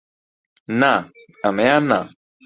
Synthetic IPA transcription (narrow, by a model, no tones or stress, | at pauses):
na | ɐmeana